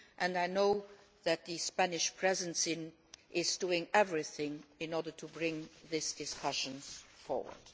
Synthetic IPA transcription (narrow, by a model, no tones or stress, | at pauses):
ʔæ̃ndaɪnoʊ | ðæt̚ðispænɪʃpʰɹɛzə̃nsɪ̃n | ʔɪzduɪ̃ŋɛvɹiθɪ̃ŋɪ̃nɔɹdə˞tʰubɹɪ̃ŋðɪsd̥ɪskʰʌʃə̃nsfɔ̰ɹwə̰˞d̥